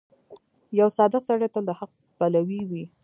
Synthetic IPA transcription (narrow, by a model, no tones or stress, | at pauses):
jawsɑd̪ɪqsaɽət̪əld̪əhaq̚ | palawiwi